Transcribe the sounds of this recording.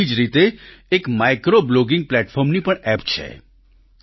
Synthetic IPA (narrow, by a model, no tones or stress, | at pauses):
id͡ʒɾit̪eːkmajkɾobloɡĩŋɡ̚plɛʈfʰɔɾmnipəɳɛpt͡ʃʰḛ